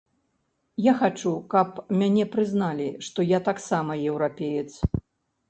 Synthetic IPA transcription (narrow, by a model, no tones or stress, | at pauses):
jaxat͡ʂukɐpmʲanʲɛpɾɨznalʲiʂt̪ɔjat̪aksamɐjɛwɾapʲejɛt̪s